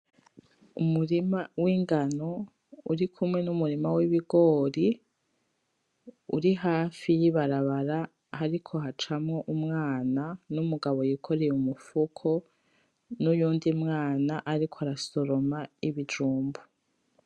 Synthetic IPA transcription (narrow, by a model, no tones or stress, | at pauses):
umuɾimawiːŋɡano̞ | uɾikʰumŋe̞numuɾimawiβiɡo̞ːɾi | uɾiɦaːfijiβaɾaβaɾa | haɾikʰo̞ɦat͡ʃamŋo̞ʔumŋaːnanumuɡaβo̞jikʰoɾejumufukʰo̞ | nujuːndimŋaːnaʔaɾikʰoaɾasoɾo̞maiβid͡ʒuːmbu